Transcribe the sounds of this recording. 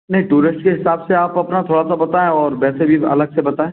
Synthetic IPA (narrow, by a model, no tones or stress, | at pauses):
nɐɦĩʈuːɾɪsʈkeɦɪsaːbseaːpɐpnat̪ʰoːɽasabɐt̪aːẽɔːɾbɛːsebʱiɐ̰ləɡsebɐt̪aːẽː